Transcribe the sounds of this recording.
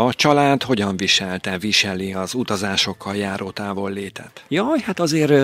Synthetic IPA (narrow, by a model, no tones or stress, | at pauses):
ɒt͡ʃɒlaːd̪ho̞ɟɒɱviʃɛlt̪ɛviʃɛliɒzut̪ɒzaːʃo̞kʰːɒljaːɾoːt̪aːvo̞lːeːt̪ɛ̰t̪jɒːjhat̪ɒzeːr